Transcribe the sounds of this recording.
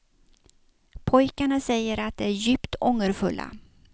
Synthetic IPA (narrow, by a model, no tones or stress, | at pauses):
pʰɔjkaɳasɛjːəɾat̪̚d̪ɛæɾjʏːpt̪ʰɔŋːəɾfɵ̰lːʔa̰